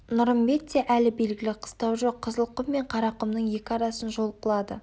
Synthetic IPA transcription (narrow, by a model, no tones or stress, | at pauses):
nʊɾəmbe̞t̪ːeʔælɪbe̞lɡʲɪlɪqʰə̥st̪ɑwʒo̞qʰːəzəlˠqəmːe̞ɴqʰɑɾɑqəmnəɴje̞kʲɪɑɾɑsənʒo̞lˠqəlˠɑd̪ə̰